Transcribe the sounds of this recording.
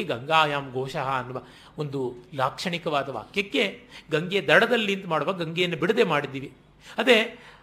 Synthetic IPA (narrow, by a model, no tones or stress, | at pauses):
iɡɐŋɡaːjaːmɡʱoːʃɐɦɐːnːuʋɐ | ond̪ulaːkʂɐɳikɐʋaːd̪ɐʋa̰ːkjɐkːeɡɐŋɡed̪ɐɽɐd̪ɐlːint̪ɐmaːɽɐʋaɡɐŋɡejɐnːɐbiɽɐd̪eːmaːɽid̪ːiːʋi | ɐd̪ɾe